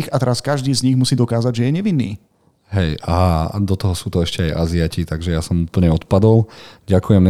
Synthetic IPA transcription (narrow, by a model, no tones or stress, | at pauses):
ixat̪ɛɾaskaʒd̪iːzɲiɣmusiːd̪ɔkaːzaɟʒɛjɛɲɛʋinːḭː | ɦɛjaɦad̪ɔt̪ɔɦɔsuːt̪ɔɛʃcɛaja̰ziacit̪aɡʒɛjasɔmupl̩ɲɛɔt̪pad̪ɔlɟakujɛmɲɛ